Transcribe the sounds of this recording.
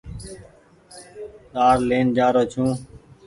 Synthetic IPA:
taːɾleːnd͡ʒaːɾoːt͡ʃʰũː

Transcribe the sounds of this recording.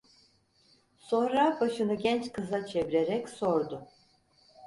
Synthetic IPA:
sõ̞nɾabaʃɯnɯɟʲɛnt͡ʃkʰɯzat͡ʃʰe̞viɾeɾɛcso̞ɾd̪ʊ

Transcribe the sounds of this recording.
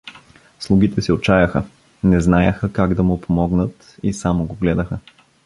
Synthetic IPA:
slˠuɡ̟it̪ɛsɛot͡ʃajɐxə | nɛznajəxəkaɡd̪ɐmʊpʰomɔɡnət̪ | isamoɡoɡlɛd̪əxə

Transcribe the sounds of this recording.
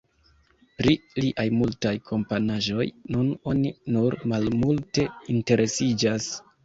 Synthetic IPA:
pɾiliʔajmultajkʰo̞mpanaʒo̞jnuno̞ninuɾmalmulte̞inte̞ɾe̞sid͡ʒas

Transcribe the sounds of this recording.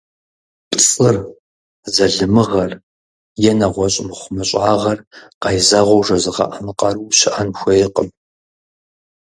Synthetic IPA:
pʼsʼɨr | zɐɮɨmɨʁɐr | jɛnɐʁʷɔɕʼɪmχʷʊmɨɕʼaːʁɐrqɑjzɐʁʷɔwʐɐzɨqɑ̰ʔɐmɨqɑruːɕɪʔɐnxʷɐjɪqəm

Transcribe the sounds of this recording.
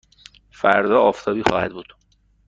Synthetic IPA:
fæ̰ɾd̪ɒːɒːft̪ʰɒːbiːxɒːhæ̰d̪̚buːd̪̥

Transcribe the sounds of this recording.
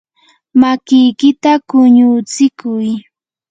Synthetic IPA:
makɪjkɪt̪akʊɲʊt͡sɪkʊj

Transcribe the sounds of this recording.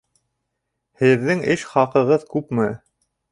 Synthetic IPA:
hɘ̆ðːɘŋɘʃχɑqɤ̆ʁɤðkʉpmɘ

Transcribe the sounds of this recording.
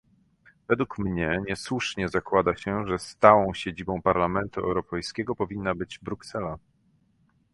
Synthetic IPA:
vɛd̪wukmɲɛɲɛswuʂɲɛzakwad̪aɕɛʐɛst̪awɔ̃w̃ɕed͡ʑibɔ̃w̃paɾlamɛnt̪uɛ̰wɾɔpɛjskʲɛɡɔpɔvʲinːabɘd͡ʑbɾuksɛla

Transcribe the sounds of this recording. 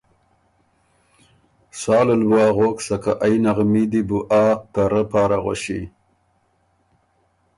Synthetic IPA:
sɑːləlbwɑːɣoksakaʔajnaɣmid̪ibuʔaːt̪aɾəpɑːɾaɣa̰ʃi

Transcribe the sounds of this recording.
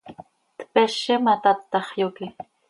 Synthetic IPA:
t̪peʃemat̪at̪ːɑχjokɪ

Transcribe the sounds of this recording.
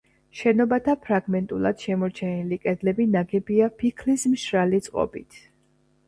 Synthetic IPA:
ʃɛnɔbat̪ʰapʰɾaɡmɛnt̪ʼulˠa̰d̪̥ʃɛmɔɾt͡ʃʰɛnilikʼɛd̪lɛbinaɡɛbiapʰikʰlismʃɾalit̪sʼqʼɔ̰bit̪ʰ

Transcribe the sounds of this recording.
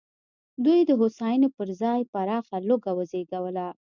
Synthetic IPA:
d̪ujd̪əɦosɑjənopəɾzɑjpaɾɑxaloɡawəzeɡawəla

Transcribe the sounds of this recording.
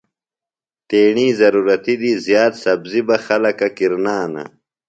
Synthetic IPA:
t̪eːɳiːzɐɾuːɾɐt̪id̪izjaːt̪sɐbzibɐxɐlɐkɐkiɾnaːnɐ̰

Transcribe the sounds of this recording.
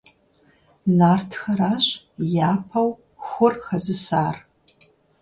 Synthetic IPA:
naːrtʰxɐɾaːɕʼ | jaːpʰɐw | xʷʊrxɐzɨsaːr

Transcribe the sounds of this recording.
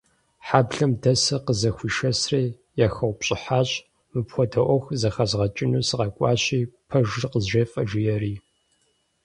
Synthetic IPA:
ħaːbɮɐmdɐsɐqəzɐxʷiːʃɐsreː | jaxɐwʷpɕʼɪħaːɕʼ | mɨpxʷɔdɐʔʷɔxzɐxɐzʁɐt͡ʃʼɪnuːsɨqɐkʷʼɑ̰ːɕiːpʰɐʒrqəzʒeːfʼɐʒɪjɛriː

